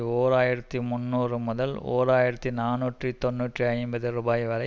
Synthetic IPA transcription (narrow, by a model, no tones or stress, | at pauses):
oːɾaːjɪɾɐt̪ːimʊnːuːrɯmʊðɐlo̰ːɾaːjɪɾɐt̪ːinaːnuːʈrit̪ɔnːuːʈriɐɪmbɐðɯɾuːbaːjʋɐlɐ